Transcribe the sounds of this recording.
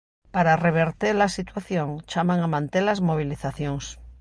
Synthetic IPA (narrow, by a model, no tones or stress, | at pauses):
paɾareβ̞eɾt̪eɾlasit̪waθjõŋt͡ʃamãŋamãnt̪elazmo̞β̞iliθaθjõŋs